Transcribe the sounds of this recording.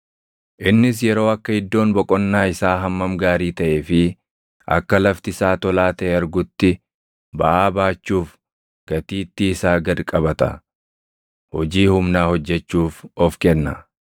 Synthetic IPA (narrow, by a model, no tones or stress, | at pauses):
ʔɪnːɪs̬jɛɾo̞ːɐkːɐhɪd̪ːo̞ːnbɔkʼɔnːaːɪsaːɦɐmːɐmɡaːɾiːt̪ɐʔeːfɪ | ʔɐ̰kːɐlɐft̪ɪsaːt̪ɔlaːt̪ɐeɐɾɡʊt̪ːɪ | bɐʔaːbaːt͡ʃːuːf | ɡ̥ɐt̪iːt̪ːɪːsaːɡɐd̪kʼɐbɐt̪ɐ̰ | hɔd͡ʒiːhʊmnaːhɔd͡ʒːɛt͡ʃːuːfɔfkɛnːɐ